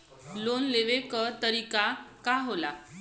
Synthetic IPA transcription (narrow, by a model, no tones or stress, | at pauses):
lonleʋekəɾt̪əɾikakaɦola